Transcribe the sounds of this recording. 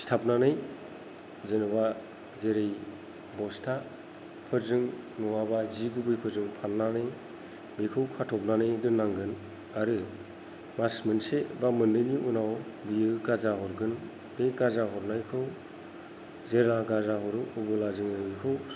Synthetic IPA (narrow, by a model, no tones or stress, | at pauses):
stʰap̚nanɯj | zenɯba | zeɾej | bɔstʰa | pʰɯɾzɯŋ | nɔwabaziɡubɯjpʰɯɾzɯŋpʰanːanɯj | bekʰɯwkʰatʰɔp̚nanɯjdɯnːaŋɡɯn | aɾɯ | masmɯnsebamɯndɯjniʔunawbijɯɡazaɦɔɾɡɯn | beɡazaɦɔɾnajkʰɯw | zeɾaɡazaɦɔɾɯubɯlazɯŋɯbikʰɯw